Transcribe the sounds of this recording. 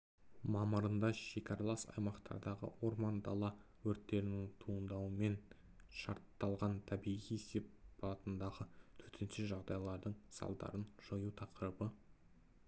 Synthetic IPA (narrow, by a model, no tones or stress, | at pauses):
mɑməɾənd̪ɑʒe̞kʲɑɾɑlˠɑsɑ̰jmɑqt̪ʰɑ̰ɾd̪ɑʁə̰wo̞ɾmɑnd̪ɑ̰lˠɑ | wɵɾt̪ːe̞ɾɪnɪŋt̪ʰuənd̪ɑwəme̞n | ʃɑɾt̪ːɑlˠʁɑnt̪ʰæbijʁijese̞p̚bɑlˠɑt̪ənd̪ɑʁət̪ʰɵɾt̪ʰenʃeʒɑʁd̪ɑjlˠɑɾd̪əɴsɑ̰lˠd̪ɑ̰ɾənʒ̥ojut̪ʰɑqəɾəbə